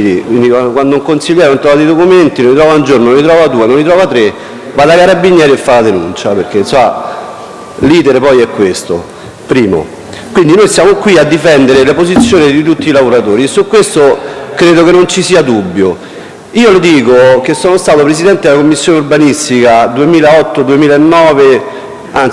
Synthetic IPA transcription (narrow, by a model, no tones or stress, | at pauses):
ikwind̪ikwakwand̪ouŋkonsiʎːɛːɾenont̪ɾɔvad̪ejd̪okument̪inonlit̪ɾɔːvaund͡ʒornonlit̪̬ɾɔːvad̪uːenonlit̪ɾɔvat̪ɾe | vad̪akaɾabːiɲjɛːɾiefːalad̪enṵnt͡ʃapeɾk̟ːensoa | liːt̪eɾepɔjɛkːwest̪o̰ | pɾiːmo̰ | kwind̪inojsjaːmokwiad̪ːifɛnd̪eɾelepozit̪sːjoːnid̪it̪̬ut̪ːiːlavoɾat̪oːɾiesːukːwest̪okɾeːd̪okenːont͡ʃisiːad̪ubːjo | iːolod̪iːkok̟esːoːnost̪aːt̪opɾesid̪ɛnt̪ed̪elakomːisːjoːneurbanist̪ikad̪uemiːlaɔt̪ːod̪uemiːlaenːɔːve | an